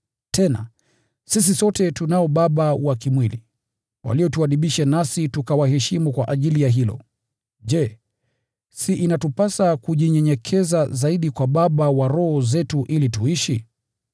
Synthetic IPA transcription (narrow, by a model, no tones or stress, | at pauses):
tɛna̰ | sis̬isɔtɛtunaɔɓaɓawakimwili | wa̰lijɔtuaɗiɓiʃanasitukawaɦɛʃimukwaʔaʄilijaɦilɔ̰ | ʄɛ | siʔinatupasakuʄiɲɛɲɛkʰɛzazaiɗikwaɓaɓawaɾɔhɔzɛtuʔilituiʃi